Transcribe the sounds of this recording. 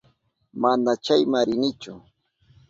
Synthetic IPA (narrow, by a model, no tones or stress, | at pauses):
manat͡ʃajmaɾɪnɪt͡ʃʊ